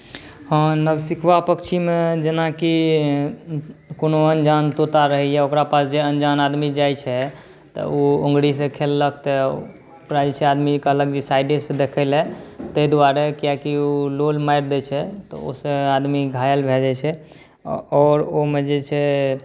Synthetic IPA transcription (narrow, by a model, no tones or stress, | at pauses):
hə̃nəbsikʰʋapəkt͡ʃʰimed͡ʒenaki | konoənd͡ʒant̪ot̪aɾəɦɛjaokɾapasd͡ʒeənd͡ʒanad̪mid͡ʒajt͡ʃʰɛ | t̪ɔ̰oõŋɡɽisẽkʰelːək̚ʰt̪ə | pɾad͡ʒt͡ʃʰɛad̪mikəɦləkd͡ʒesajɖesẽd̪ekʰəɪlɦɛt̪əjd̪uaɾekijakiololmajɾd̪ɛt͡ʃʰɛt̪ɔ̰o̰sə̃ad̪miɡʱajəlbʱed͡ʒɛt͡ʃʰɛ | ɔːɾomed͡ʒet͡ʃʰɛ